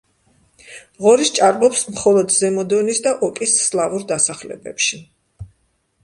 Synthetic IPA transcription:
ʁɔɾist͡ʃʼaɾbɔpsmχɔlˠɔd̪zɛmɔd̪ɔnisd̪aʔɔkʼisːlˠavuɾd̪asaχlɛ̰bɛ̰pʃi

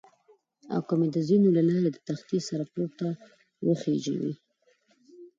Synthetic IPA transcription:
a̰wkəmed̪əzinolalɑɾed̪ət̪axt̪isaɾaplob̚t̪a | wəxed͡ʒa̰wḭ

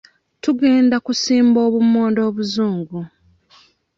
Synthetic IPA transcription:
tuɡe̞ːndakusiːmbo̞ːβumoːndo̞ːβuzuːŋɡu

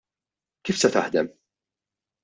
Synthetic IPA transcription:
kiːfsɛt̪ɐħd̪ɛm

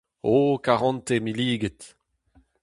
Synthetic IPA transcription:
okaʁɑ̃nt̪emiliːɡət̪

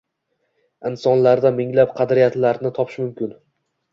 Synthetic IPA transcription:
ɪnsɒnlaɾd̪amɪŋlapqʰɑd̪ɾijat̪laɾnɪt̪ʰɒpʰɪ̥ʃmʊmkʲɪn

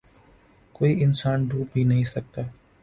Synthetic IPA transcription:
koːiɪnsaːnɖuːbʱiːnɐɦĩːsɐk̚t̪aː

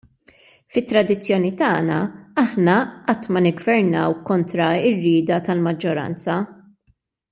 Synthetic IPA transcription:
fɪt̪ːɾɐd̪ɪt͡sːjɔːnit̪ɐːnɐɐħnɐʔɐt̪ːmɐnɪɡvɛɾnɐwkɔnt̪ɾɐɪrːɪːd̪ɐt̪ɐlmɐd͡ʒːɔɾɐ̰nt͡sɐ

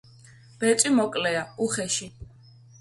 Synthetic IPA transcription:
b̥ɛt̪sʼwimɔkʼlɛauχɛʃi

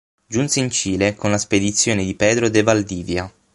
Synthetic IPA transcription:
d͡ʒunseint͡ʃiːlekonlasped̪it̪sːjoːned̪ipɛːd̪ɾod̪evald̪iːvja

